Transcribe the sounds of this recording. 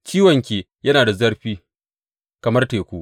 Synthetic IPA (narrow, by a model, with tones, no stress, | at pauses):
t͡ʃiː˦wɐ˨ŋkʲeː˨ | jɐ˦naː˨da˨zɐ˦rɸiː˦ | kɐ˨mɐ˦rteː˨kʷoː˦ʔ